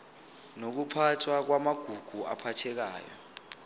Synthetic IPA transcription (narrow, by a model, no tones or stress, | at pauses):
nok̬upʰatʰwak̬wamaɡ̥ʱuɡ̥ʱua̰pʰatʰɛk̬a̰ːjɔ̰